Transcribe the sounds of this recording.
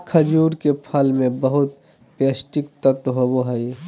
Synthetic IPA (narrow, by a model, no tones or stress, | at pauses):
kʰɐd͡ʒuːɾkepʰəlmẽbɐɦʊt̪ | peːsʈɪk̚t̪ət̪ɦoboɦɛe